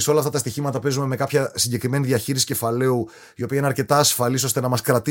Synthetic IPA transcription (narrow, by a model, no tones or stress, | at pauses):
seo̞lɐft̪ɐt̪ɐst̪içimɐt̪ɐpe̞zume̞me̞kɐpçɐsiɲɟekɾime̞niðiɐçiɾisi̥ce̞fɐle̞u | io̞piɐinɐɾce̞t̪ɐːsfɐliso̞st̪e̞nɐmɐskɾɐt̪i